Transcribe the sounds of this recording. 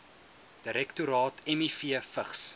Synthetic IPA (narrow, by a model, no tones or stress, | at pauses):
d̥əɾɛktuɾɑːtʰɛmifiəfəχs